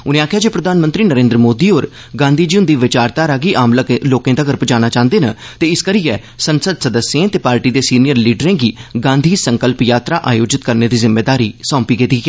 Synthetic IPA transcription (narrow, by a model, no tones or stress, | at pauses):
ʊnẽːaːkʰɪjaːd͡ʒeːpɾəd̪ʱaːnmənt̪ɾiːnəɾẽːnd̪ɾəmoːd̪iːɦoːɾ | ɡãːnd̪ʱiːd͡ʒiʊ̃nd̪iːʋɪt͡ʃaːɾt̪aːɾaːɡiːʔaːmlloːkẽːd̪aːɡəɾpd͡ʒaːnaːt͡ʃãːnd̪eːna̰ːt̪eːɪskəɾijɛ | sənsəd̪səd̪əsjẽːt̪eːpaːɾʈiːd̪eːsiːnɪjəɾliːɖəɾẽːɡiːɡãːnd̪ʱiːsəŋkəlpjaːt̪ɾaːʔaːjoːd͡ʒɪt̪kəɾneːd̪iːzɪmːeːd̪aːɾiːsɔ̃ːmpiːɡeːd̪iːɡɛː